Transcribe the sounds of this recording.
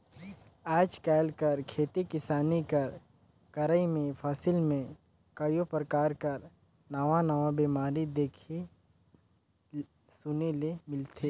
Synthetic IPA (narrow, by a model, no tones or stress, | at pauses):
aːd͡ʒkɛːlkɐɾkʰeːt̪ekɪsaːnikɐɾ | kɐɾəimẽpʰaːsɪlmẽ | kəjopɾəkaːɾkɐɾ | nɐʋanaʋabiːmaːɾid̪eːkʰe | sʊnelemɪlt̪ʰeː